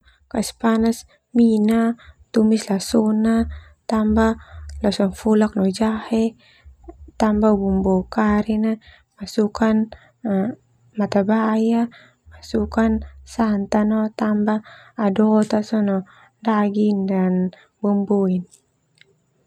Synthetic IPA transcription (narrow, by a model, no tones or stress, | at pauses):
kaispanas | minat̪umislasɔnat̪ambalasɔnfulak̚nɔd͡ʒahɛ | t̪ambabumbɔkaɾina | masukan | mat̪abaja | masukansant̪anɔt̪ambaːdɔt̪asɔnɔ | daɡindan | bɔmbɔin